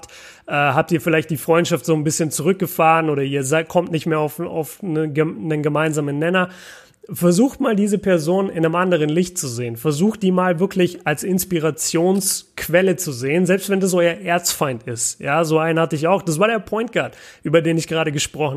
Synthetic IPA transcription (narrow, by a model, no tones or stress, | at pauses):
t | ʔɛːɦap̚tiːɐfɪlaɪçtd̥iːfʁ̥ɔʏntʃaftz̥oːnbɪsçənt͡suʁʏk̚ɡ̥əfaːʁənʔoːɾɐiːɐzaɪt̚kʰɔmtnɪçtmeːɐaʊfa̰ʊfnəɡənənɡəmaɪnzaːmənːɛnɐ | fɛɐzuːxtmaːldiːzəpʰɛɐzoːnɪnəmʔandəʁ̞ənlɪçtt͡suzeːənfɛɐzuːxt̚d̥iːmaːlvɪɐkʰlɪçalsɪnspiʁ̞at͡sjoːnskʰv̥ɛlət͡suzeːənzɛlpstv̥ɛndas̬ʔɔʏɐʔeːɐt͡stfaɪntɪstjaːzoːʔaɪnhatəɪç̬aʊxd̥as̬v̥aːɐdeːɐpʰɔʏnt̚ɡ̥aɐtʔyːbɐdeːnɪçɡ̥ʁaːɾəɡəʃpʁ̥ɔxn̩